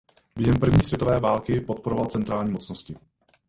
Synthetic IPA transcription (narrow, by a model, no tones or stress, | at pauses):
bjɛɦɛmpr̩vɲiːsvjɛt̪ovɛːvaːlkɪpot̪̚poɾovalt͡sɛnt̪ɾaːlɲiːmo̞t͡snoscɪ